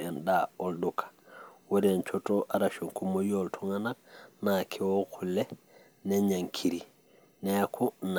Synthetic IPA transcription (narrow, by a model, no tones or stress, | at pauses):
endaoldukʰḁwoɾent͡ʃotoʔaɾaʃoŋkumojoltʰuŋanak̚nakʰewokʰulːe | neɲaŋkʰiɾi | neakʰun